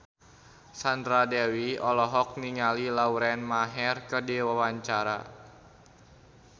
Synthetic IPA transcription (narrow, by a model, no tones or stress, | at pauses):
sandɾadɛwiɔlɔɦɔk̚niŋalilauɾɛnmaɦɛrkədiwawaɲt͡ʃaɾa̰